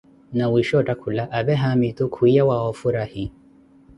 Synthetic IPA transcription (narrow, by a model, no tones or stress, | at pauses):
nawiʃɔtʼakʰulaʔaːbɛɦamitukʰuijawaɔfuɾahi